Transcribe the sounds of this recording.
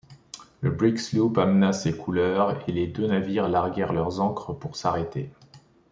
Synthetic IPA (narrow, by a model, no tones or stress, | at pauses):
ləbʁikslupamnasekʰulœʁeled̪ønaviʁlaʁɡʲɛʁlœʁzɑ̃kχəpuʁsaʁet̪e